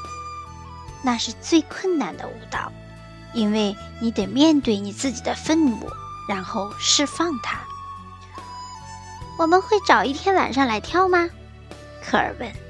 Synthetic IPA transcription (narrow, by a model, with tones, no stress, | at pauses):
na˥˧ʂɻ̩˥˧t͡swe˥˧ɪkʰwə˥˩nna˧˩nd̪ə̰˧u˧˥t̪ɑ̰˥˩˦ʊ | i˥nwe˥˩ɪni˧˥t̪ɛ˨˩mjɛ˥˧nt̪we˥˩ɪni˨˩t͡sɹ̩˥˩t͡ɕi˨˩d̪ə˦fə˥˧nmṵ˨˧˦ɻa˧˥nxo˥˧ʊʂɻ̩˥˧fɑ˥˩ŋt̪ʰa˥ | wɔ˨˩mə˧˦nxwe˥˩ɪʈ͡ʂɑ˨˩ʊi˥˩t̪ʰjɛ˥nwa̰˨˩nʂɑ˥˩ŋla˧˥ɪt̪ʰjɑ˥ʊmɐ˧ | kʰɤ˧˥ə̰˞˨˩wə˧˥n